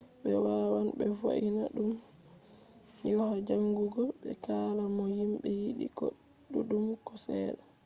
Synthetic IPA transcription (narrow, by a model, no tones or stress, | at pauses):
ɓɛwawanbɛfa̰ʔina̰ɗum | jɔhad͡ʒaŋɡuɡɔɓɛ̰kaːlamɔhimɓɛjiɗḭɡɔ̰ɗː | uɗumkɔsɛːɗa